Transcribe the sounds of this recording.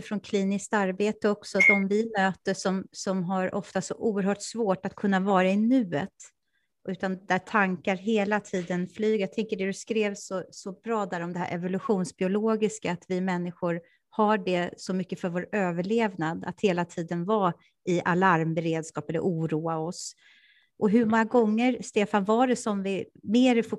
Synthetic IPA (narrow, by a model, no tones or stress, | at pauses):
fɾɔnkʰliːnɪskt̪aɾbeːt̪əɔksɔd̪ɔmvɪmøːt̪əʂɔmsɔmɦaɾɔft̪asɔ̰ʔuːəɾɦœːʈsvoːʈat̪kʰɵnːavɑːɾaɪnʉ̟ːət̪ | ʔʉ̟ːt̪and̪æʈʰaŋkaɾɦeːlat̪ʰiːd̪ənflyːɡjaɡ̚t̪ʰɛŋkəɖɛd̪ɵskɾeːvsɔsɔbɾɑːd̪æɾɔmd̪ɛhæ̰ɾʔɛ̰vʊlɵɧuːnsbɪʊloːɡɪskaːt̪vɪmɛnːɪɧʊɾ | haɖɛsɔmʏkːəfœɾvoːɾøːvəɭeːvnad̪a̰t̪heːlat̪ʰiːd̪ənva | ɪalaɾmbɛɾeːd̪skɑːpɛlːə̰ʔuːɾuːaɔs | ʔɔɦɵɾmɔŋːaɡɔŋːəɾst̪eːfanvaɖɛsɔmvɪ | meːɾɪfʊ